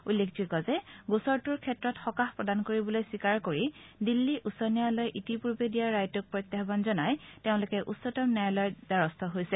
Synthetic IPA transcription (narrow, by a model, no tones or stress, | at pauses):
ulːekʰzikɔzɛɡusɔɹtuɹkʰɛtɹɔtxɔkaxpɹɔdankoɹibɔlojsikaɹkoɹidilːiʔusɔnijalɔjʔitipuɹbedijaɹːajtʊk̚pɹɔjt̪ːaɦbanzɔnajteʊ̃lʊkɛʔusːɔtɔmnɛɹlɔjdaɹɔstʰɔɦojsɛ